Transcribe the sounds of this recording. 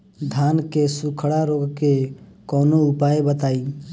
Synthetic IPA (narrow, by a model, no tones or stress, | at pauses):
d̪ʱaːnkesʊkʰəɽaɾoːɡkekɔːnoʊpaːebət̪aːiː